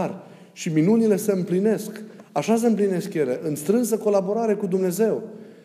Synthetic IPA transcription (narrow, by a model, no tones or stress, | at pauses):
rʲ | ʃiminunile̞se̞ɨmpline̞skaʃas̬e̞ɨmpline̞skjeɾeʔɨnst̪ɾɨns̬əko̞labo̞ɾaɾe̞kud̪umne̞ze̞w